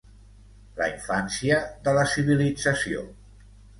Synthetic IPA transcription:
lə̰iɱfansiəðələsiβ̞ilid͡zəsio̰

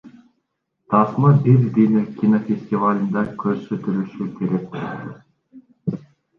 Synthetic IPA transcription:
t̪ʰɑsmɯbiɾd̪inikʲinofʲesʲt̪ʲivalʲɯnd̪ɑkʲʰøɾsøt̪ylyʃykʰʲe̞ɾe̞k̚

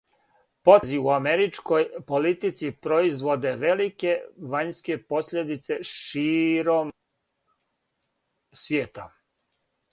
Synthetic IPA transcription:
po̞ziuameɾit͡ʃko̞jpo̞lit̪it̪sipɾoizʋo̞d̪e̞ʋe̞like̞ʋaɲske̞po̞sʎʲed̪it̪se̞ʃiːɾo̞m | sʋjeːt̪a̰

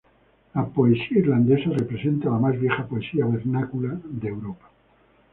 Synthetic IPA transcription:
lapoesiaiɾland̪esarepɾesent̪alamazβjexapoesiaβeɾnakulaðewɾopḁ

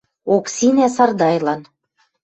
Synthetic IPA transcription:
oksinæsɑrd̪ɑjlɑn

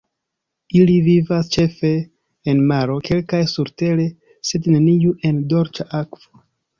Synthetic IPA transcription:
ilivivast͡ʃe̞fe̞ː | nmaɾo̞ke̞lkajsuɾte̞le̞ | se̞dnenijuʔe̞ndo̞ɾt͡ʃaʔakv̥o

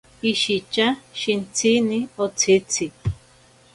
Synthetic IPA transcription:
iʃit͡ʃaʃint͡sʰinĩot͡sʰit͡sʰi

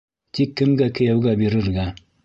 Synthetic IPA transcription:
t̪ikːɘ̆mɡækɘ̆jæwɡæbiɾɘ̆ɾɡæ

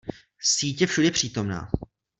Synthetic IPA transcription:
siːcjɛfʃudɛpr̝̥iːt̪o̞mna̰ː

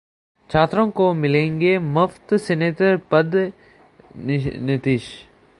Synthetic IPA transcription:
t͡ʃʰaːt̪ɾõkomɪlẽːŋɡemʊft̪sɛneːt̪əɾpɐd̪ | nɪt̪iːʃ

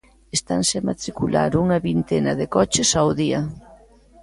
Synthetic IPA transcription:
est̪a̰nsɪamat̪ɾikula̰ɾuŋaβint̪enaðekɔt͡ʃesawðiɐ

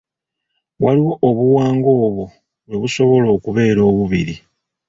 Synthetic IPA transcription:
waliwo̞ʔoβuwaːŋɡo̞ːβo | weβuso̞βo̞lo̞ːkuβe̞ːɾo̞ːβuβiɾḭ

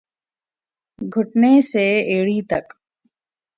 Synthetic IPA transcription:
ɡʱʊʈneseːeːɽiːt̪ək

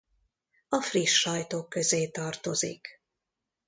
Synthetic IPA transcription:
ɒfriʃːɒjt̪oːkːø̞zeːt̪ɒrt̪o̞zḭk

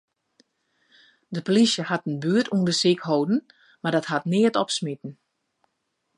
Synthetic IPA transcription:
dəpolisjəhatənbyətundəsikhowdn̩ | madɔthatnɪətɔpsmitn̩

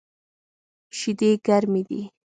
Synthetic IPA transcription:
ʃɪd̪eːɡaɾmɪd̪ḭ

